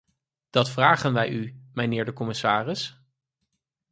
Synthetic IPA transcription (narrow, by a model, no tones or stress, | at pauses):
d̥ɑtfraːχənʋɛjymənɪːɹdəkɔmɪsaːrɪs